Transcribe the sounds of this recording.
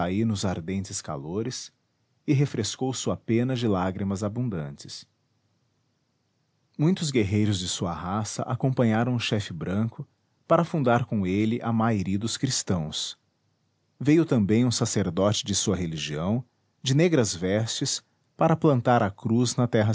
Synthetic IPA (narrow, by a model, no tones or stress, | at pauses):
ainʊzaɾd̪ẽnt͡ʃɪska̰loɾɪs | ɪɦefɾʔeskowsuɐpẽnɐd͡ʒɪlaɡɾimɐzabũd̪ɐ̃nt͡ʃɪ̥s | mũj̃t̪ʊzɡeɦejɾʊzd͡ʒɪsuɐɦasɐ̰ʔakõpɐ̃ɲaɾɐ̃w̃ʊʃɛfɪbɾɐ̃kʊ | paɾɐfũnd̪aɾkõelɪʔɐmajɾid̪ʊskɾist̪ɐ̃w̃s | vejʊt̪ɐ̃mbẽj̃ũsaseɾd̪ɔt͡ʃɪd͡ʒɪsuɐɦeliʒiɐ̃w̃ | d͡ʒɪneɡɾɐzvɛst͡ʃɪs | paɾɐplɐ̃nt̪aɾɐkɾuznɐt̪ɛɦɐ